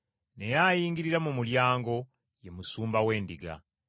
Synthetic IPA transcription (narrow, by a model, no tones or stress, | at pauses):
ne̞jajiːŋɡiɾiɾamumuljaːŋɡo̞ | je̞musuːmbawe̞ːndiɡa̰